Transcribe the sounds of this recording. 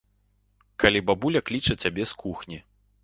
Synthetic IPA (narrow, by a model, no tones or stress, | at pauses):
kalʲibabulʲɐklʲit͡ʂɐt͡sʲabʲɛskuxnʲi